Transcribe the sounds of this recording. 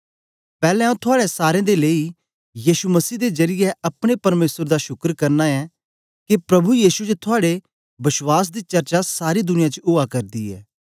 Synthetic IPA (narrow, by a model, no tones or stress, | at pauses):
pɛːlɛ̃ːũt̪ʰʊaːɽesaːɾẽːd̪eleːi | jiːʃuməsiːd̪ezɐɾɪjɛʔɐpɽ̃epɐɾmeːsəɾd̪aʃʊkəɾkɐɾnaɛː | kepɾɐbujiːsud͡ʒt̪ʰʊaːɽe | bɪswaːs̬d̪iːt͡ʃɐɾt͡ʃasaːɾid̪ʊnɪjãt͡ʃʊakɐɾd̪iːɛ̰ː